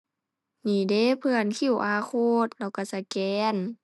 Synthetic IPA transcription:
niː˧˩de˧˥˨pʰɯ˧ə˨nkʰi˧˩˨wʔaː˧kʰoː˧t̪̚lɛː˧˩wka˧˩sa˧˩kɛː˧n

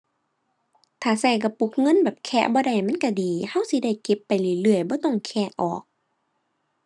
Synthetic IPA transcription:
t̪ʰaː˨˩sa˧˩jka˧˩pu˧˦k̚ŋɤ˧˥˨nbɛː˨˩p̚kʰɛ̰ː˧˥˨bɔː˧˦da˧˩˨jma˧˥˨nka˧˩diː˨˦ha˧˥˨wsi˧˦da˧˩jke˧˦pːa˨jlɯ˧˩ə˨lɯ˧˩əjbɔː˧˦t̪ɔ˧˩˨ŋkʰɛː˧˩ʔɔ̰ː˨˩k̚

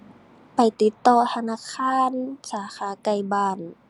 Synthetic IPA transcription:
pa˨jt̪i˧˦t̪ːɔː˧˩t̪ʰa˧naː˧˨kʰaː˧˥˨nsaː˨˦xʰaː˨˦ka˧jbaː˧˩n

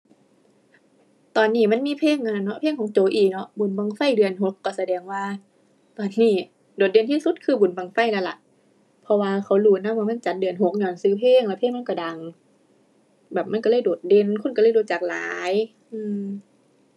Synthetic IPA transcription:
t̪ɔː˨nːiː˧˩ma˧˥˨nmiː˧˥˨pʰeː˧˥˨ŋʔa˧˨a˧˨˩nɔ˧˥pʰeː˧˥˨ŋkʰɔː˨˦ŋt͡ɕoː˨˦ʔiː˨˩k̚nɔ˧˥ʔbu˨˩˦nba˧ŋfa˧˥˨jdɯ˧˩ənɦo˧˦kːɔː˧˩sa˧dɛː˨˦ŋwaː˧ | t̪ɔː˨˩nːiː˧˩ | doː˨˩t̪̚de˧˨nt̪ʰiː˧˥˨su˧˦t̪̚kʰɯː˧˩bu˨˩˦nba˧˩ŋfa˧˩˨jla˧˩la˨˧˦ʔ | pʰɔ˧waː˧kʰa˧˩wluː˧˩na˧˥˨mwaː˧ma˧˥˨nt͡ɕa˨˦t̪̚dɯ˨˧˩ənɦo˨˦k̚ɲɔː˧˩˨nsɯː˧˦pʰeː˧˥˨ŋla˧pʰeː˥˨ŋm˧˥˨kɔ˧˩da˨˦ŋ | bɛː˨˩p̚ma˧˥˨nka˧lɤː˧˥˨jdoː˨˩t̪̚de˧˨nkʰu˧˥˨nklɤː˧˥˨jdoː˨˦t̪̚t͡ɕaː˨˩k̚la̰ː˨˦j | ʔɯː˧m

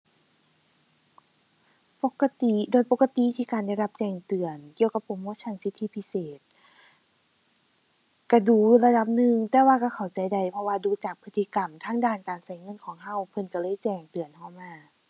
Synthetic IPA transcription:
po˧˦ka˧t̪i˧doː˨jpo˧˥kːa˧t̪i˧˨t̪ʰiː˧˩kaː˨nda˧˥˩jla˧p̚t͡ɕɛː˧˩ŋt̪ɯ˨˩ənki˧əwka˧pʰːo˨˦mu˧˥˨t͡ɕʰa˧˩nsi˧˥t̪ʰːi˧˥˨pʰi˧˥seː˨˩t̪̚ | ka˧˩duː˧˩la˧da˧˦p̚nɯ˧ŋt̪ɛː˧waː˧ka˧˩kʰa˨˩wt͡ɕa˨˩jda˧˩jpʰɔ˧waː˧duː˧˦t͡ɕaː˨˩k̚pʰɯ˧t̪ʰːi˧ka˨˩mt̪ʰaː˧˥˨ŋdaː˧˩˨nkaː˨˩nsa˨˧˩jŋɤ˧˥˨nkʰɔː˨˦ŋɦa˧˩wpʰɤ˧˩˨nka˧˩lɤː˧˥˨jt͡ɕɛː˧˩ŋt̪ɯ˨˩ənhɔː˧˩maː˧˩˨

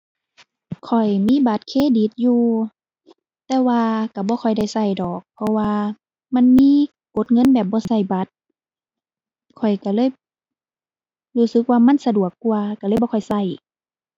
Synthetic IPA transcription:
kʰɔ˨˩jmiː˧˥˨ba˨˦t̪̚kʰeː˧˨di˨˦t̪̚juː˧ | t̪ɛː˧waː˧ka˧˩bɔː˧˦xʰɔ˨˩jda˧˥˩jsa˧˩jdɔː˨˩k̚pʰɔ˧waː˧ | ma˧˥˨nmiː˧˥˨ | ko˧˦t̪̚ŋɤ˧˥˨nbɛː˨˩p̚bɔː˧˦sa˧˩jba˧˦t̪̚ | kʰɔ˨˩jka˧˩lɤː˧˥˨j | huː˧˩sɯ˧˦k̚waː˧ma˧˥˨nsa˧du˨˩əkːu˧ɐka˧˩lɤː˧˥˨jbɔː˧˨ɔ˨˩jsa˧˩j

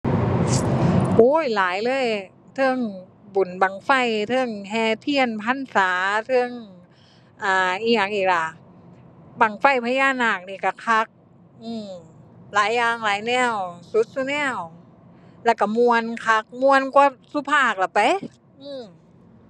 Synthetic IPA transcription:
ʔuː˧˥jlaː˨˦jlɤː˧˥˨j | t̪ʰɤ˧˥˨ŋ | bu˨˩˦nbaː˨˩ŋfa˧˩jt̪ʰɤ˧˩˨ŋɦɛː˧˩t̪ʰi˧˥˨ənpʰa˧˥˨nsaː˨˦t̪ʰɤ˧˥˨ŋ | ʔaː˧˩ʔiː˧˩ɲaː˨˩ŋʔiː˧˩k̚la˧˩ | baː˨˩ŋfa˧˩jpʰa˧jaː˧˥˨naː˧˩k̚niː˧˩ka˧˩kʰa˧˥k̚ | ʔɯː˧˩mlaː˨˦jːaː˧˩ŋlaː˨˦jnɛː˧˩˨wsu˧˦t̪̚su˧nɛː˧˩w | lɛː˧˩wka˧˩mu˧ənkʰa˧˥k̚mu˧ənku˧su˧˦pʰaː˧˩k̚la˧˩pa˨˦j | ʔɯː˧˩m

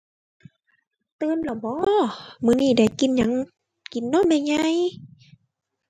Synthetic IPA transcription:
t̪ɯː˧˨nlɔ˨˧˩bɔː˧˦mɯː˧˨niː˧˩da˧˩jki˨˦nɲa˧˦ŋ | ki˨˩˦nːɔ˧˥˩ma˧˩˨jŋa˧˨j

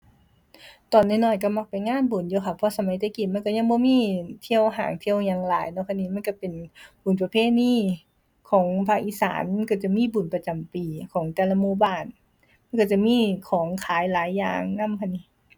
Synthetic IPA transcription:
t̪ɔː˨˩nːa˧˩˨nɔː˧˩jka˧˩ma˧˥k̚pa˨˩jŋaː˧˥˨nbu˨˩˦njuː˧kʰa˧˩pʰːɔː˧˨sa˧ma˨˦jt̪a˧˦ki˨˩t̪ma˧˥˨ka˧˩ɲa˧˥˨ŋbɔː˧˦miː˧˥˨t̪ʰi˧əwɦaː˨˦ŋt̪ʰi˧əwɲaː˧˨ŋlaː˨˦jnɔ˧˥kʰa˧˥niː˧˥ma˧˥˨nka˧˩pe˨nbu˨˩npa˧pʰeː˧˥˨niː˧˥˨ | kʰɔː˩˦ŋpʰaː˧k̚ʔiː˧˥˨sa̰ː˩˦nka˧˩t͡ɕa˧˩miː˧˥˨bu˨˩npa˧t͡ɕa˨˩mpiː˨kʰɔː˨˦ŋt̪ɛː˧˩˨la˧˨muː˧˥˨baː˧˩n | ma˧˥˨nka˧˩t͡ɕa˧˩miː˧˥˨kʰɔː˨˦ŋkʰaː˨˦jlaː˨˦jːa̰ː˨˩ŋna˧˥˨mkʰa˧˥niː˧˩

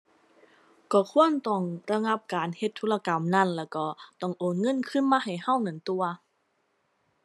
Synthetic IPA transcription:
kɔː˧˩kʰu˧˥˨ə˨nt̪ɔ˧˩ŋɾa˧ŋa˧˥p̚kaː˨nhe˧t̪ʰːoː˧˥la˧ka˨˦mna˧˥˨nlɛː˧˩wkɔː˧˩t̪ɔ˧˩ŋʔoː˨˩nŋɤ˧˥˨nkʰɯ˧˥˨nmaː˧ɦa˨˩jha˧˥˨wnɯ˨˩˦nt̪u˧ɐ

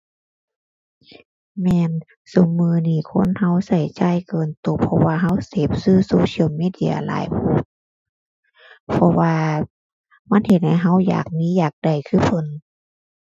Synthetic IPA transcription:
mɛː˧n | so˨˩˦mːɯː˧niː˧˩kʰo˧˥˨nha˧˥˩wsa˧˩jt͡ɕa˧˩˨jkɤː˧nt̪o˧˩pʰɔ˧waː˧ɦa˧˥˨wseː˨˩p̚sɯː˧˩˨soː˧si˧˨wmiː˧˥˨di˧˥˨ɐ̰˧la̰ː˨˦jpʰu˧˩ | pʰɔ˧waː˧ | ma˧˥˨nhe˧˩t̪̚ha˧˨jɦa˧˥˨wja̰ː˨˩k̚miː˧˥˨jaː˨˩k̚da˨˩jkʰɯː˧˥˨pʰɤ˧˨n

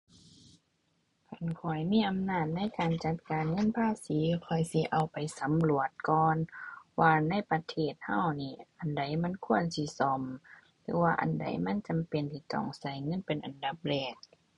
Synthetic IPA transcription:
kʰa˧˩nkʰɔ˧˩jmiː˧˥˨ʔa˨mnaː˧˩t̪̚na˧˥˨jkaː˨nt͡ɕa˧˦t̪̚kaː˨nŋɤ˧˥˨npʰaː˧˥˨siː˨˦kʰɔ˧˩jsi˧˦ʔa˨˩wpa˨jsa˨˦mlu˧˩ət̪̚kɔː˧nwaː˧na˧˥˨jpa˧t̪ʰeː˧˩t̪̚ha˧˥˨wniː˧˩ʔa˨nda˨˩jma˧˥˨nkʰu˧˥˨ənsi˧˦sɔ˧˩m | lɯː˨˧˦waː˧ʔa̰˨nda̰˨˩jma˧˥˨nt͡ɕa˨mpe˨nt̪ʰiː˧˩t̪ɔ̰˧˩ŋsa˧˩˦jŋɤ˧˥˨npe˨nʔa˨nda˧˦p̚lɛː˧˩k̚

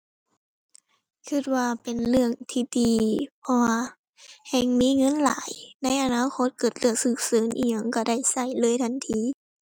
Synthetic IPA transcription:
kʰɯ˧˩t̪̚waː˧pe˨˩nlɯ˧˩əŋt̪ʰiː˧˩diː˨˧pʰɔ˧waː˧ | hɛ˧˩ŋmiː˧˥˨ŋɤ˧˥˨nla̰ː˨˦jna˧˥˨jʔa˨˧naː˧˥˨kʰo˧˥˦t̪̚kɤː˨˩t̪̚lɯ˧˩ək̚sɯː˧˩k̚sɤː˨˦nʔḭː˧˩ɲa˧˩ŋka˧˩da˧˩jsa˧˩jlɤː˧˥˨jt̪ʰa˧˥˨nt̪ʰːiː˧˥˦

